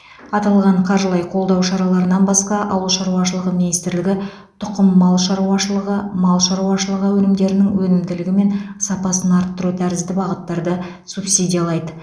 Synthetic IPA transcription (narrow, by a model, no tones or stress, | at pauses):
ɑt̪ɑlˠʁɑɴqʰɑɾʒəlˠɑjqʰo̞lˠd̪ɑwʃɑɾɑlˠɑɾənɑnbɑsqɑʔɑwəlˠʃɑɾuwɑʃəlˠəʁəminijst̪ɪɾlɪɡʲɪ | t̪ʰʊqəmːɑlˠʃɑɾuɑʃəlˠəʁəmɑlˠʃɑɾuwɑʃəlˠəʁəwɵnɪmd̪e̞ɾɪnɪŋwɵnɪmd̪ɪlɪɡʲɪme̞nsɑpɑsənɑɾt̪ːʊɾut̪ʰæɾɪzd̪ɪbɑʁət̪ːɑɾd̪ə | supsid̪ʲijɑlˠɑjd̪ə